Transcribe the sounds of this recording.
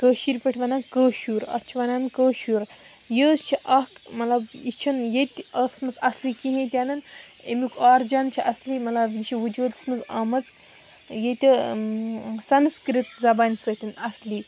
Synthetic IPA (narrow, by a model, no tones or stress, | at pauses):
kəːʃiːɾʲpəʈʰʲʋanankəːʃuːɾɐ̰t͡ʃʰiʋanaːnkəːʃuɾ | jəːst͡ʃʰiʔɐkmɐt̪lɐbit͡ʃʰɐnjet̪ʲəsmɐt͡sɐslikiɦẽt̪ʲanɐn | ḛmʲikʰaːɾd͡ʒant͡ʃʰiʔɐslimɐlabjit͡ʃʰiʋud͡ʒuːt̪smɐzamɐt͡s | jet̪ʲi | sɐnskɾit̪d͡zɐbanʲsət̪ʰʲinɐsli